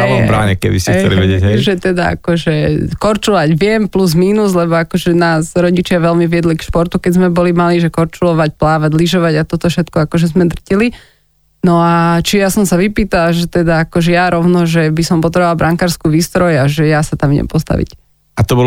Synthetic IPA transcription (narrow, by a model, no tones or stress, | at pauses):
aɛɔbɾa̰ːɲɛ̰kɛ̰d̪isɦiɛt͡sɛliʋɛɟɛɟɦɛʒɛt̪ɛd̪aa̰kɔʒɛkɔɾt͡ʃulaɟʋɪɛmpluzmiːnuzlɛbɔakɔʒɛnaːzɾɔɟit͡ʃɪaʋɛlmiʋɪɛd̪likʃpɔɾt̪ukɛɟzmɛbɔlimaliʒɛkɔɾt͡ʃulɔʋac̚plaːʋaɟliʒɔʋaɟat̪ɔt̪ɔfʃɛt̪kɔakɔʒɛzmɛd̪r̩cili | nɔat͡ʃijasɔmsaʋipiːt̪alaʒɛt̪ɛd̪aakɔʒɛjaɾɔʊnɔʒɛbisɔmpɔt̪ɾɛalbɾaŋkaːɾskuːʋiːst̪ɾɔjaʒɛjasat̪amɲɛ̰mpɔst̪a̰ʋḭc | at̪ɔbɔ